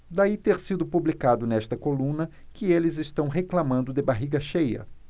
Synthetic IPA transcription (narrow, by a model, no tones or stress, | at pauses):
d̪ait̪eɾsid̪ʊpublikad̪ʊnɛst̪ɐkolũnɐkɪelɪzɪst̪ɐ̃w̃ɦeklamɐ̃nd̪ʊd̪ɪbaɦiɡɐʃejɐ̰